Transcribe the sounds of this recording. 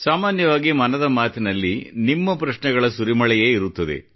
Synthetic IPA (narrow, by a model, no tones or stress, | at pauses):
saːmaːnjɐʋaːɡimɐnɐd̪ɐmaːt̪inɐlːinimːɐpɾɐʃɳɛɡɐɭɐsuɾimɐɭɛjeːiɾut̪ːɐd̪ḛ